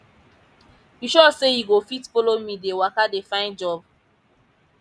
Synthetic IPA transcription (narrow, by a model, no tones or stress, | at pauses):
biʃɔsejiɡofitfɔlomĩdewakadefãɪ̃nd͡ʒɔb̚